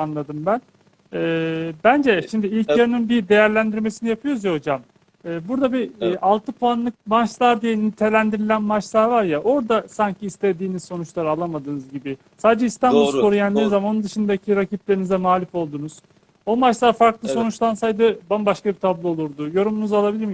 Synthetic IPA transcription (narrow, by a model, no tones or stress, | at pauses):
anlˠad̪ɯmbæn | ɛbænd͡ʒɛʃimd̪iilʲcjaɾɯnɯnbid̪e̞jæɾlʲænd̪iɾme̞sinijapʰɯjo̞ɾuzjaho̞d͡ʒam | ɛːbuɾd̪abiʔalˠt̪ʰɯpʰuanlˠɯk̚mant͡ʃlˠaɾd̪ijɛnit̪ʰe̞lʲænd̪iɾilʲænmat͡ʃlˠaːvaɾjaʔo̞ɾd̪asaɲcʰiːst̪ʰed̪iːnizso̞nut͡ʃlˠaɾɯalˠamad̪ɯːnɯzɟibɪ | saːd̪ed͡ʒɛist̪ʰanbulko̞ɾujand̪inizamaonund̪ɯʃɯnd̪acʰiɾacit̪lʲe̞ɾinizɛmaːlʲifo̞lˠd̪uːnuz̥ | o̞mat͡ʃlˠaːfaɾklˠɯso̞nut͡ʃlˠansajd̪ɯbanbaʃkabit̪ʰablˠɯo̞lˠuɾd̪ujo̞ɾumunuzalˠabilʲiɾm